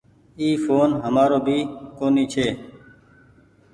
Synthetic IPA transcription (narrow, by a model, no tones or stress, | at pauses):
iːfoːnɦəmaːɾoːbʱiːkoːniːt͡ʃʰeː